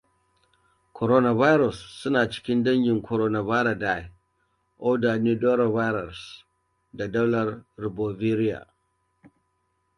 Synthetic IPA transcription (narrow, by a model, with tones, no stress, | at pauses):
kʰʷɔ˨ɾoː˦na˨va˦jɾɔ˨sːʊ˦naː˨t͡ʃɪ̥˦kʲɪ˦ndɐ˦ŋɡʲɪ˨ŋkʰɔ˨ɾoː˦na˨vaː˦ɾa˨da˦j | ʔo˦daː˨ni˦doː˦ɾo˨va˦jɾɐ˨s | da˨dɐ˦wlɐ˦rɾɪ˨boː˨vi˦ɾi˦ja̰˨